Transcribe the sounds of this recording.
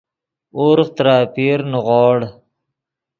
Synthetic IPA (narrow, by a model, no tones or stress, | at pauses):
oɾqt̪ɾaːpiːɾnuʁɔːɽ